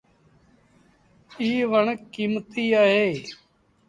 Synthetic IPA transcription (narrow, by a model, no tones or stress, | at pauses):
iːʋəɳkimt̪iːaːɦeː